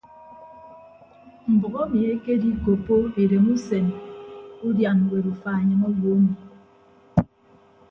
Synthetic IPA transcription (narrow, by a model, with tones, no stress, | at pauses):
m̩˨bu˨ɣo˦mi˨e˦ke˦di˦ko˨pːo˦e˨ɾe˨mu˦se˨n | u˦dja˨n˨we˨du˨fa˨e˨ɲɨ˨ŋo˦wo˨o˦mi˨